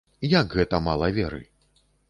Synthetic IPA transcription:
jaɡɣɛt̪ɐmalˠɐvʲɛɾɨ̰

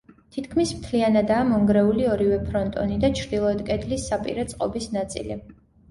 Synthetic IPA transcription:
t̪ʰit̪ʰkʰmismt̪ʰlianad̪aːmɔŋɡɾɛuliɔɾivɛpʰɾɔnt̪ʼɔ̰nid̪at͡ʃʰɾd̪ilˠɔɛd̪kʼɛd̪lisːapʼḭɾɛt̪sʼqʼɔbisnat̪sʼḭli

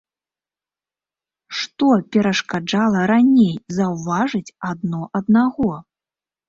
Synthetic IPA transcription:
ʂt̪ɔpʲɛɾɐʂkad͡ʐalˠɐɾanʲejzɐwvaʐɨt͡sʲad̪nɔʔɐd̪naɣɔ

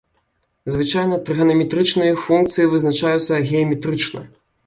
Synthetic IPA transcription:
zvɨt͡ʂajnɐt̪ɾɨɣɐnɐmʲɛt̪ɾɨt͡ʂnɨjɐfunk̚t̪sɨjivɨznat͡ʂajut̪sːɐɣʲɛɐmʲɛt̪ɾɨt͡ʂnɐ̰

